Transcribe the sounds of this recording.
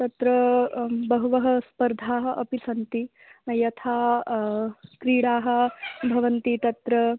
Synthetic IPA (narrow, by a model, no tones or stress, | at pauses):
t̪ɐt̪ɾɐbɐɦuʋɐɦɐ̆spɐɾd̪ʱaːɦɐʔɐpisɐnt̪i | jɐt̪ʰaː | kɾiːɽaːɦɐ̆bʱɐʋɐnt̪it̪ɐt̪ɾɐ